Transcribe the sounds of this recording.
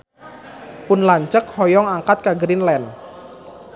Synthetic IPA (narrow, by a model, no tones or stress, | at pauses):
pʊnlaɲt͡ʃəkhɔjɔŋaŋkat̪̚kaɡɾinlɛn